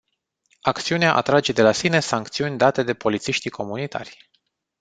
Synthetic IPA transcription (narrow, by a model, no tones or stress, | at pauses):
akt̪siuneaʔa̰t̪ɾad͡ʒe̞d̪e̞lasine̞saŋkt̪siunʲd̪at̪e̞d̪e̞po̞lit̪siʃt̪ikʰo̞munit̪ʰa̰rʲ